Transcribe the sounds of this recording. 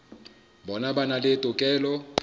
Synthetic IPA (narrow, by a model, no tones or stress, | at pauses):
bɔnabanaletʼʊkʼɛːlɔ